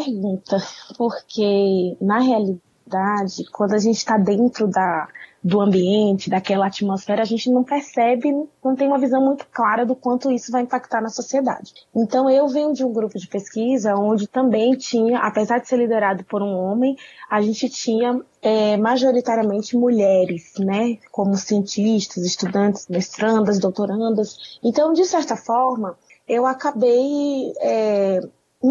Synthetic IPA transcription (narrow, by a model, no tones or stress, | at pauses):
peɾɡũt̪ɐpoɾkʰenɐɦeali | d̪ad͡ʒɪkwɐ̃nd̪ʊaʒẽnt͡ʃɪ̥t̪ad̪ẽnt̪ɾʊd̪ɐd̪ʊɐ̃mbiẽnt͡ʃɪd̪akɛlɐat͡ʃimosfɛɾɐaːʒẽnt͡ʃɪnɐ̃w̃peɾsɛbɪnɐ̃w̃t̪ẽj̃ũmɐvizɐ̃w̃mũj̃t̪ʊ̥klaɾɐd̪ʊkwɐ̃nt̪ʊisʊvajĩmpak̚t̪aɾnɐsosied̪a̰d͡ʒɪẽnt̪ɐ̃w̃ewvẽɲʊd͡ʒɪũɡɾupʊd͡ʒɪpeskizɐõnd͡ʒɪt̪ɐ̃mbẽj̃t͡ʃĩɲɐʔapezaɾd͡ʒɪ̥seɾlid̪eɾad̪ʊpoɾũõmẽj̃aʒẽnt͡ʃɪt͡ʃĩɲɐ | ɛmaʒoɾit̪aɾiɐmẽnt͡ʃɪmuʎɛɾɪsnɛkõmʊsiẽnt͡ʃiʃt̪ɐzɪst̪ud̪ɐ̃t͡ʃɪ̥zmest̪ɾɐ̃nd̪ɐzd̪owt̪oɾɐ̃nd̪ɐsẽnt̪ɐ̃w̃d͡ʒɪsɛɾt̪ɐfɔɾmɐ | ewakabejɛ